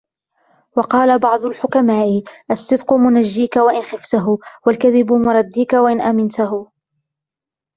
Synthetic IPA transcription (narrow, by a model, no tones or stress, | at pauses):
wɑqɑːlabɑʕd̪ˤʊlħʊkamaːʔɪʔasːɨd̪qʊmʊnaʒːiːkawaʔɪnxɪft̪aɦʊwalkaðɪbʊmʊɾˤɑd̪ːiːkawaʔɪnʔamɪnt̪aɦʊ